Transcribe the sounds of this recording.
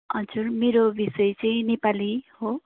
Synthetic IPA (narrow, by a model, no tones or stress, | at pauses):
ʌd͡zurmeɾobisʌjt͡sʌĩnepaliho